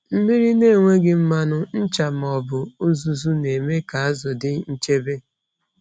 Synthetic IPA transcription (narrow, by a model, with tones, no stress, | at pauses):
m̩˦mi˦ɾi˦ne˦˨ŋʷe˦ɡɪ˦m̩˦ma˦nʊ˦n̩˦t͡ʃa˨m̩˨ɔ˨bʊ˨u˦zu˦zu˦ne˨me˦ka˨a˦zɔ˨dɪ˦n̩˦t͡ʃe˦be˦